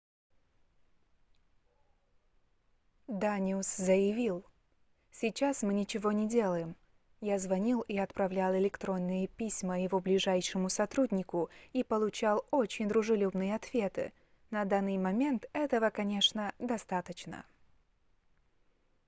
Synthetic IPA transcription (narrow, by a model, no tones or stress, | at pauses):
d̪anʲɪʊszəjɪvʲilˠ | sʲɪt͡ɕasmɨnʲɪt͡ɕɪvo̞nʲɪdʲe̞lˠəjɪm | jazvɐnʲilˠiɐt̪pɾɐvlʲalˠɪlʲɪkt̪ɾo̞nːɨjəpʲisʲməjɪvoblʲɪʐajʂɨmʊsɐt̪ɾudʲnʲɪkʊipəlˠʊt͡ɕalˠo̞t͡ɕɪnʲd̪ɾʊʐɨlʲubnɨjəɐt̪vʲe̞t̪ɨ̰ | nɐd̪anːɨjmɐmʲe̞nt̪ɛt̪əvəkɐnʲe̞ʂnəd̪ɐst̪at̪ət͡ɕnə̰